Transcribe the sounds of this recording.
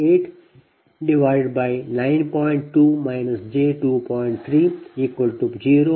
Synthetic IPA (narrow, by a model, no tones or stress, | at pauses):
eːʈ | ɖɪʋaɪɖ̚baɪnãɪ̃npɔɪ̃ɳʈʈːuːmaɪnəsd͡ʒeːʈuːpɔ̃ɪ̃ɳʈ̚t̪ʰɾiːiːkʋəlʈud͡ʒiːɾoː